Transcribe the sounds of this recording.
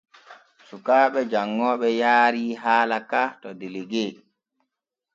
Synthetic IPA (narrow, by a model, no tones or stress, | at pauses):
sukaːɓɛd͡ʒaŋːɔːɓɛjaːɾiːɦaːlakatɔdeleɡeː